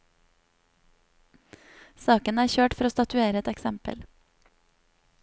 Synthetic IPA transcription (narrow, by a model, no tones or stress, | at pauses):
sɑːkənæːɾçøːʈfɔɾoːst̪ɑt̪ʉeːɾəɛt̪ɛksɛmpə̰l